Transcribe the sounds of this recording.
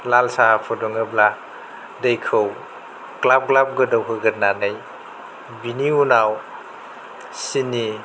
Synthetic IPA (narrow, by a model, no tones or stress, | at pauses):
lalsapʰɔdɔŋɯbla | dejkʰɯw | klab̚klap̚ɡɯdɔwkʰɯɡɯt̚nanɯj | biniunaw | sini